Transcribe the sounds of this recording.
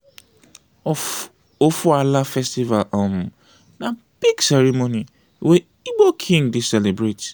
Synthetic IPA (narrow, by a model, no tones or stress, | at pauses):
ofualafɛstivalʔam | na | b̥iɡsɛɾimoni | we | iɡ͡bokʰĩŋdesɛlebɹet